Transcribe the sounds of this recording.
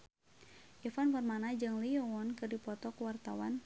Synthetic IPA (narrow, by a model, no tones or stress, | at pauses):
jɔfanfɔrmanad͡ʒɨŋliɔwɔnkɨrdipɔt̪ɔkuwart̪awan